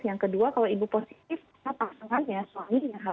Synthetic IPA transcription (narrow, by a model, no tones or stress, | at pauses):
jaŋkəduakalawibuposi̥t̪̚ɪf | tapasaŋanjasuamidəŋanɦa